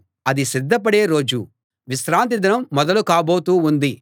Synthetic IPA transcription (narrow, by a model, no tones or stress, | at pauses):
ɐd̪isid̪ʱːɐpɐɽeːɾo̞ːd͡ʒu | ʋisɾaːnt̪̬id̪ɐnɐmːɔd̪ɐlukaːbo̞ːt̪uːund̪i